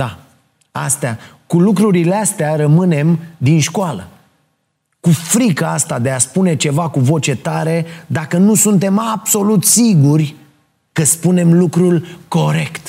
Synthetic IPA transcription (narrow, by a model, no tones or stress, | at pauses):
d̪a | a̰st̪eakulukɾuɾile̞ast̪eaɾəmɨne̞md̪inʃkoalə̰ | kufɾikaast̪ad̪e̞aspune̞t͡ʃe̞vakuvo̞t͡ʃe̞t̪aɾe̞d̪akənusunt̪e̞mabso̞lut̪siɡurʲ | kəspune̞mlukɾulko̞ɾe̞kt̪